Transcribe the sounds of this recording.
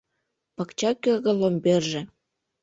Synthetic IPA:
pɑkt͡ɕɑkeɣɤ̆lomberʒĕ

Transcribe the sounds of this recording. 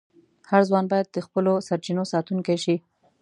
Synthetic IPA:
haɾzwɑnbɑjad̪̚ːəxpəlosaɾt͡ʃinosɑt̪uŋkajʃi

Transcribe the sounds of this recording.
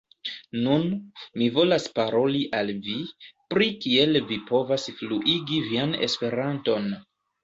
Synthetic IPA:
nunmivo̞laspaɾo̞liʔalvipɾikielvipo̞vasfluʔiɡiviane̞̰spe̞ɾanto̞n

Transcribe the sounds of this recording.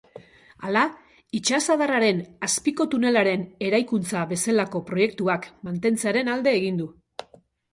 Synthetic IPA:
ala | it͡ʃasað̞araɾe̞naspiko̞t̪une̞laɾe̞ne̞ɾajkunt͡saβe̞selako̞pɾo̞je̞k̚t̪uakmant̪e̞nt͡seaɾe̞nald̪e̞ːɣ̞ind̪u

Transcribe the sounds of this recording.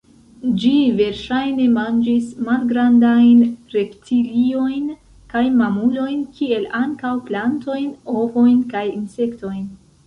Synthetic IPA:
d͡ʒive̞ɾʃajne̞mand͡ʒismalɡɾandajnɾe̞ptʰilio̞jn | kajmamulo̞jnkʰie̞laŋkawplanto̞jno̞vo̞jnkajinse̞kto̞jn

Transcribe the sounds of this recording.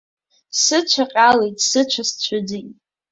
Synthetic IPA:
sɨt͡ʃʷʰaqʲʼalejtʼsɨt͡ʃʷʰast͡ɕʷʰʊd͡zi

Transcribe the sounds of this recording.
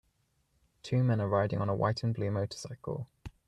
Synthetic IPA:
tʰʉːmɛ̃nəɹaɪdɪ̃ŋə̃nəwa̰ɪʔn̩blʉːməʊtʰə̥saɪkʰə̰lˠ

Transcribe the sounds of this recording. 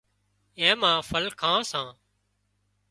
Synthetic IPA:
ẽːmãːfʰəlkʰãːsãː

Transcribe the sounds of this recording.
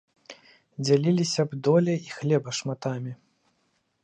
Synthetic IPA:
d͡zʲalʲilʲisʲɐbd̪ɔlʲɛixlʲɛbɐʂmat̪amʲi

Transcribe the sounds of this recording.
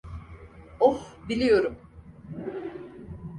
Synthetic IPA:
ohbilʲijo̞ɾum

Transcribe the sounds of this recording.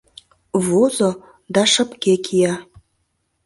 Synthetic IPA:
vozo | d̪ɑʃə̆pkekʰijɑ

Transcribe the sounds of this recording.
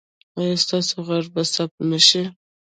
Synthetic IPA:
ɑjɑst̪ɑsoɣaɾbasap̚naʃe

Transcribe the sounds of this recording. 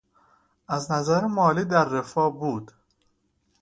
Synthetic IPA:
ʔæznæzæɾemɒːliːd̪æɾːefɒːbuːd̪̥

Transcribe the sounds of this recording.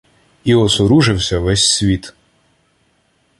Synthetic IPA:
iɔsɔɾuʒɪwsʲɐʋɛsʲsʲʋʲit̪

